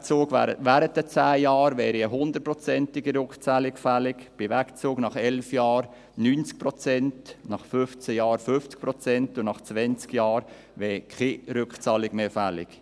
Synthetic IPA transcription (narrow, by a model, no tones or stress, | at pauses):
t͡suːɡæ̰ɾə̰ʋæːɾət̚d̥ət͡sæːjɑːɾʋɛːɾiəɦʊnd̪ət̚pɾɔt͡sɛntɪɡiɾøkχt͡sɑːlɪkfælɪkb̥ɪʋækt͡suːɡnɑχɛlfjɑːɾ | nynt͡sk̚prɔt͡sɛntnɑχfʏft͡səjɑːɾfʏft͡sk̚pɾɔt͡sɛntʊnɑχt͡sʋɛnt͡skjɑːɾ | ʋɛːkʰeɾʏkχt͡sɑːlɪɡmeːfælɪ̰k